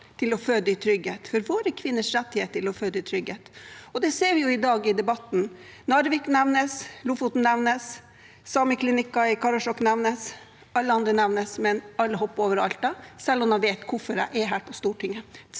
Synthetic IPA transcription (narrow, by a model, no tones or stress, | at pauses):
t̪ʰɪlɔføːd̪əɪt̪ʰɾʏɡheːt̪fɔɾʋoːɾəkʰʋɪnːəʂɾɛt̪ːɪheːt̪əɪlɔføːd̪əɪt̪ʰɾʏɡeːt̪ɔd̪ɛseːɾʋɪjʊɪd̪ɑːɡɪd̪ɛbɑt̪ːn | nɑɾʋɪknæʋnəslufut̪n̩nːɛʋnəs | sɑːməkʰlɪnɪkːɑɪkʰɑɾɑʂɔkːnɛʋnəs | ɑlːəɑnd̪ɾənɛʋnəsmɛnɑlːəɦɔpːoːʋəɾɑ̰lt̪ɑsɛlːɔmd̪ɑnʋeːt̪kʰʊfɔɖæ̰ʔɛɦæːɾpʰɔst̪uːʈʰɪŋːə